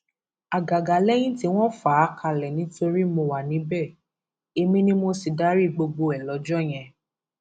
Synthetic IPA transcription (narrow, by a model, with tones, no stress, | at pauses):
a˨ɡa˨ɡa˨˦lɛ˦j̃ĩ˦ti˦w̃ɔ̃˦fa˨˦kʰa˧˨lɛ˨nĩ˨˦to˧ɾi˦mo˧wa˨nĩ˨˦bɛ˦˨ | e˧mĩ˧nĩ˦mo˧si˨da˦ɾi˦˨ɡ͡bo˧ɡ͡bo˧ɛ˨lɔ˨˦d͡ʒɔ˦˨j̃ɛ̃˨˧˨